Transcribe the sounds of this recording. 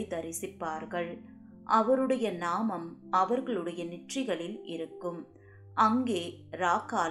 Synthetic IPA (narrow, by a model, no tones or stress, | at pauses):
ɪt̪ɐɾɪsɪpːaːɾɣɐɭ | ʔɐʋɐɾɯɽɐjɐnaːmɐmɐʋɐɾɣɐɭɯɽɐjɐnɪʈrɪɣɐɭɪlɪɾɯkːɯm | ʔɐŋɡeː | ɾaːkaːl